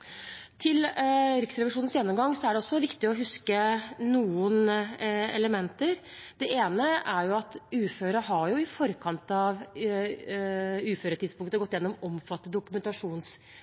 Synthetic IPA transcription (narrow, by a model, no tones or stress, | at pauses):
t̪ʰɪlɾɪksɾɛʋɪʂuːnn̩sjɛnːɔmɡɑŋːsɔæɖɛɔsːɔʋɪkt̪ɪɔɦʉskənuːən | ɛ̰ləmɛnt̪əɾd̪̥ɛʔeːnəʔæɾjʊɑt̪ʉːføːɾəɦɑjʊɪfɔɾəkʰɑnt̪ɑʋ | ʉːføːɾəʈ̪ʰɪd̪spʊŋkt̪əɡɔt̪ːjɛnːɔmɔmfɑt̪ːəd̪ʊkʉmɛnt̪ɑʂuːns